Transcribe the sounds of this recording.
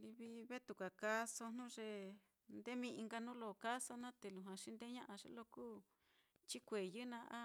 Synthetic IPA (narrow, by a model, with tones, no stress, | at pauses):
li˧βi˧βe˦t̪u˨kʷa˨ka˦so˧nũ˦ʐe˧ | nd̪e˦mĩ˧i˧ŋɡa˧nũ˦lo˧˨ka˦so˧nã˦t̪e˨lu˨ɦã˨ʂi˦nd̪e˦ɲã˦ʔa˧ʐḛ˧˦lo˧kuː˦ | t͡ʃi˦kʷe˨jɨ˦nã˧ʔa˦